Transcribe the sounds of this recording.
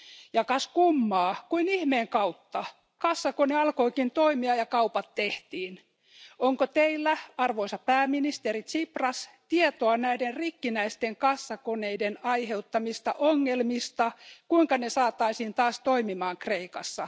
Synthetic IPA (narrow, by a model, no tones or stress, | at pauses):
jɑkɑskumːɑːkuinihmeːŋkɑut̪ːɑ | kɑsːɑkoneɑlkoikint̪oimiɑjɑkɑupɑt̪ːeht̪iːn | oŋkot̪eilːæɑrʋoisɑpæːminist̪eɾit̪siprɑst̪iet̪oɑnæiderrikːinæist̪eŋkɑsːɑkoneidenɑiheut̪ːɑmist̪ɑʔoŋːelmist̪ɑkuiŋkɑnesɑːt̪ˑɑisiːnt̪ɑːst̪oimimɑːŋkreikɑsːɑ